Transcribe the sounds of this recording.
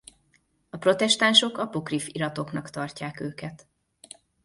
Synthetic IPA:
ɒpro̞t̪ɛʃt̪anʃo̞kɒpokrifiɾɒt̪o̞knɒkt̪ɒrcaːkøːkɛt̪

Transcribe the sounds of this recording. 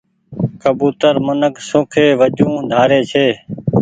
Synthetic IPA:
kəbuːt̪əɾmənəksõːkʰeːʋəd͡ʒũːd̪ʱaːɾeːt͡ʃʰeː

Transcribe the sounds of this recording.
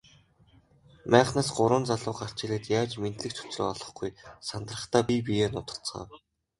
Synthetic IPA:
mæːχnaːsɢʊɾə̆nt͡saɮʊːɢar̥t͡ɕɪ̆ɮɘ̆t̪jaːt͡ɕment̪ɮɘ̆kt͡ɕʰʊ̥t͡sro̰ːɔɮɞ̆χɡujsant̪rə̆χt̪aːpʲip̬ijeːnʊt̪ə̥̆r̥t͡sχɢa̰ːw

